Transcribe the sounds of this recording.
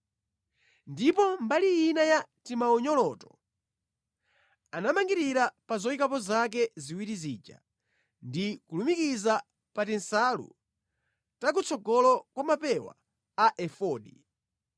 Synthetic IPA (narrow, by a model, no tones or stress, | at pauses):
ndipɔmbalijinajatimaɔɲɔlɔːtɔ̥ | anamaŋɡiɾiɾapazɔikapɔzak̬ɛziwiɾiziːt͡ʃa̰ | ndikulumikiza | patɛnsalṵ | tak̬ut͡sʰɔɡɔlɔkwamapɛwa̰ | aʔɛfɔːɗi